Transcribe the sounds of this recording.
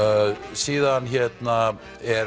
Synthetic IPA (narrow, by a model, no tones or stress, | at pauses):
siːðançɛt̪na | ɛɾ